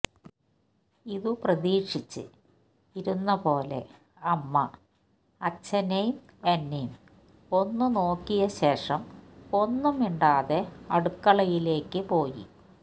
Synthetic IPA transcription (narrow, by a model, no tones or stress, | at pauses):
iðuprɐðiːʂit͡ɕːɨ̰ | iɾunːɐpo̞ːle̞̰ | ɐmːɐ | ɐt͡ɕːɐnejm | ɐnːijm | o̞nːuno̞ːkːijɐɕe̞ːʂɐmo̞nːumiɳɖaːðeɐɽukːɐɭɐjile̞ːkːɨpo̞ːjḭ